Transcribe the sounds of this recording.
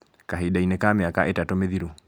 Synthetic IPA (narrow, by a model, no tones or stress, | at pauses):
kaɦidainekameakaʔetatomeðiɾu